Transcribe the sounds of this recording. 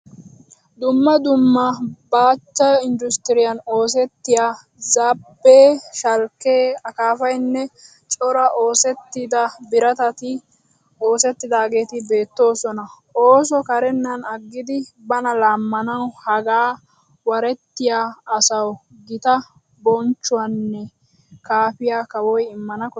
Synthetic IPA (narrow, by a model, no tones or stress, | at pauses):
d̪ʊmːɐd̪ʊmːɐbaːt͡ʃːɐɪnd̪ʊst̪ɪɾɪjɐno̞ːs̬ɛt̪ːɪjaː | zɐbːeːʃɐlkːeːɐkaːfɐjnːɛ | t͡ʃʼɔɾɐʔo̞ːsɛt̪ːɪd̪ɐbɪɾɐt̪ɐt̪ɪ | o̞ːsɛt̪ːɪd̪aːɡe̞ːt̪ɪbe̞ːt̪ːo̞ːsɔnɐ | oːs̬ɔkɐɾɛnːɐnɐɡːɪd̪ɪbɐnɐlaːmːɐnɐwhɐɡaː | wɐɾɛt̪ːɪjaːsɐwɡɪt̪ɐ | bɔnt͡ʃːʊwanːɛ | kaːfɪjaːkɐwɔjɪmːɐnɐkɔ